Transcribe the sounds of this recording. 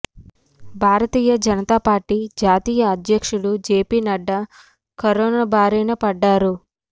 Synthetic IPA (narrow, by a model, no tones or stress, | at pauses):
bʱaːɾɐt̪iːjɐd͡ʒɐnɐt̪aːpaːɾʈːid͡ʒaːt̪iːjɐːd̪jɐkʂuɽud͡ʒeːpiːnɐɖːɐ | kɐɾɔːnɐbʱaːɾijnɐpɐɖːaːɾu